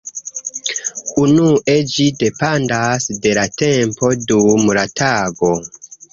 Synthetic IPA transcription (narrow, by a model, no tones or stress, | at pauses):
unuʔe̞d͡ʒide̞pandasde̞late̞mpo̞dumlatʰaɡo̞